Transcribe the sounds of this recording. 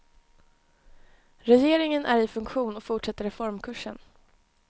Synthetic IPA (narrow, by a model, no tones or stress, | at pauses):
ɾɛjeːɾɪŋənʔæɾɪfɵŋkɧuːnɔkfʊʈʂɛt̪ːəɾɛfɔɾmkʰɵʂːən